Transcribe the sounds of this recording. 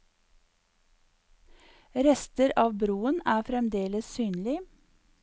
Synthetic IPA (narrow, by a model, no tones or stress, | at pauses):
ɾɛst̪əɾɑːʋbɾuːənæːfɾɛmd̪eːləssyːnlɪ